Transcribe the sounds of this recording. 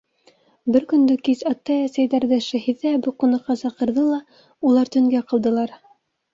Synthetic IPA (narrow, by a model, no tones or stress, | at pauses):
bɘɾkɵ̆nd̪ɵkizɑt̪ːɑjæsæjðæɾðɘʃæhiðːæbuqŏnɑqːɑsɑqɤ̆ɾðɤlˠɑ | ulˠɑɾt̪ɵ̆ŋɡæqɤ̆lˠd̪ɤ̆lˠɑɾ